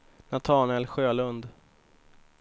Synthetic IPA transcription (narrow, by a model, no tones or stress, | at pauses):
nat̪ʰɑːnɛlɧøːlɵnd̪